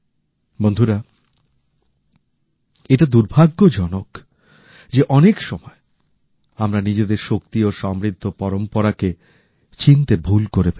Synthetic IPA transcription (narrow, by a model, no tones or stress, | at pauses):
bond̪ʱuɾa | eʈad̪uɾbʱaɡːod͡ʑɔnok | d͡ʑeʔɔnekʃɔmɔe | amɾanid͡ʑed̪eɾʃokt̪ioʃɔmɾid̪ʱːopɔɾompoɾake | t͡ɕint̪ebʱulkoɾebe